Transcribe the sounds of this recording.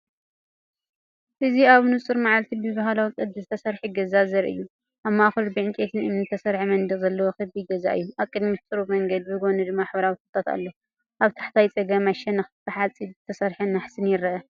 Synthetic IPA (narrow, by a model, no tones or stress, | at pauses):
ʔɨziaβnut͡sʼɨɾmaʕalt̪ʰibɨzbaɦalawikʼɨd̪ːɨzɨt̪ʰɐsɐɾħuɡɐzazɐɾʔɨ̰jːu | ʔaβmːaxɨlbɨʕɨnkʼet̪ʰɨnʔɨmnɨt̪ʰɐsɐɾħimɐnd̪ɨzɐlːɐwoxɨd̪biɡɐza̰ʔɨ̰jːuʔaβkʼːɨd̪mit̪t̪ʼɨɾumɐŋɡɐd̪̚bɨɡonud̪ɨmːaħbɐɾawit̪ʰɨt̪ʰʼːat̪ʰa̰lːo | ʔaβt̪ʰḁħt̪ʰajt͡sʼɐɡɐmaʃɛnɐxt̪ʰɨħat͡sʼizɨt̪ʰɐsɐɾħɐnːaħsɨnjɪɾɐʔɐ